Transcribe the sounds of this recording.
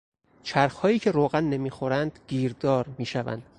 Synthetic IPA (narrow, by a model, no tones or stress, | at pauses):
t͡ʃʰæɾxhɒːjiːcʰe̞ɾoːɣænːe̞miːxo̞ɾænd̪̥ɟiːɾd̪ɒːɾmiːʃævæ̰nd̪̥